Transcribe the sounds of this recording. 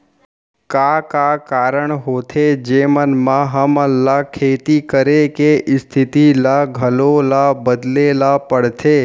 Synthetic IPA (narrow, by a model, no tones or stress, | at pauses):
kaːkakaːɾəɳ̃ɦoːt̪ʰed͡ʒeːmənmãɦəməlakʰeːt̪ikəɾekeʔɪst̪ʰɪt̪ilaɡʱəlolabəd̪lelapəɽ̤t̪ʰeː